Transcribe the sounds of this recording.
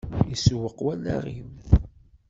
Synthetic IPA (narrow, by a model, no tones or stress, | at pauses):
iswəqːwælːæ̰ʁim